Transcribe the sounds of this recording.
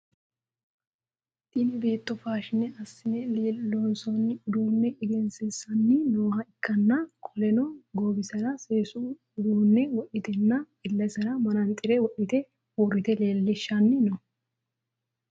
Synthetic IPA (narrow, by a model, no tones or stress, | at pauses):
t̪ɪnɪbe̞ːt̪ːɔfaːʃɪnɛɐsːɪnɛleːlːɔnsɔnːɪʊd̪uːnːɛʔɪɡɛnsɛsɐnːɪnoːhɐɪkːɐnːɐkʰɔlɛnɔɡoːbɪsɐɾɐseːsu | ʊd̪uːnːɛwɔʔɪt̪ɛnːɐ | ɪlːɐsɐɾɐmɐnɐnɪt̪ʼɪɾɛwɔʔɪt̪ɛ | urːɪt̪ɛle̞ːlːɪʃːɐnːɪnɔ